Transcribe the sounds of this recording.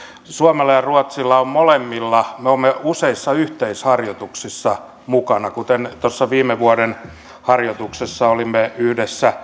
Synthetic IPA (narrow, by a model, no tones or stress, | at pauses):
suɑmelːɑjɑruɑt̪silːɑommolemːilːɑmeoːmːeuseisːɑyht̪eishɑrjot̪uksisːɑ | mukɑnɑkut̪ent̪osːɑʋiːmeʋuɑden | hɑrjot̪uksesːɑolimːeyhdesːæ